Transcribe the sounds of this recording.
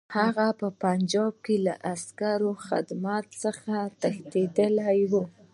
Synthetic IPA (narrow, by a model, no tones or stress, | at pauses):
haɣapəpand͡ʒɑb̚kelaʔaskaɾoxa̰d̪mɑt̪səxat̪axt̪ed̪əlajwu